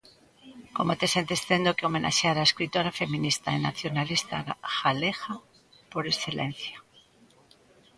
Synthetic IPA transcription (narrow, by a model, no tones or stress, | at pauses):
ko̞mot̪e̞se̞nt̪esθend̪okeome̞nʔa̰ʃeaɾaeskɾit̪oɾafe̞mĩnist̪a̰ena̰θjo̞nalist̪a̰xalexa | poɾesθelḛn̟θjo